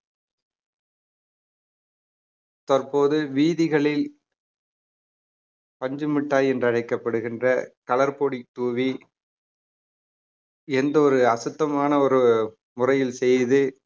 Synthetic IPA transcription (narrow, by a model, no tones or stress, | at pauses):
t̪ɐrpoːðɯʋiːðɪɣɐɭɪl | pɐɲd͡ʒɯmɪʈːaːjɛndrɐɻɐɪkːɐpːɐɽɯɣɪndrɐkɐlɐɾpoːɽit̪ːuːʋi | ɛnd̪ɐɔɾɯɐsɯt̪ːɐmaːnɐɔɾɯ | mʊrɐjɪlsɛjðɯ